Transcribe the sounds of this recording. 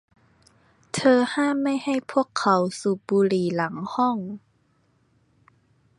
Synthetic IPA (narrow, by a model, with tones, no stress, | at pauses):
t̪ʰɤː˧haː˥˩mːa˥˩jha˥˩jpʰu˥˩əkʰːa˨˦wsuː˨˩p̚buː˧liː˨˩˦la˩˦ŋhɔ˥˩ŋ